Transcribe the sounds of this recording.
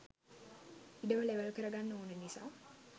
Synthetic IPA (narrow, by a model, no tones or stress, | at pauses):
iɖəʋəleʋəlkəɾəɡanːəunənisa̰ː